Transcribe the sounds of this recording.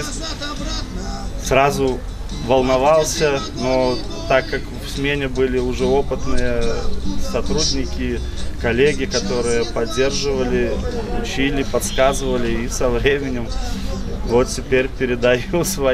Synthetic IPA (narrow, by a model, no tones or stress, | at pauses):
srazʊ | vəlˠnɐvalˠsʲə | no | t̪akːakfsʲmʲenʲɪbɨlʲɪʊʐɛo̞pɨt̪nɨjəsɐt̪ɾudʲnʲɪkʲɪ | kɐlʲeɡʲɪkɐt̪o̞ɾɨjəpɐdʲːe̞rʐɨvəlʲɪʊt͡ɕilʲɪpɐt̪skazɨvəlʲɪisɐvɾʲemʲɪnʲɪm | vo̞t̪tʲɪpʲeɾʲpʲɪɾʲɪd̪ɐjusvɐ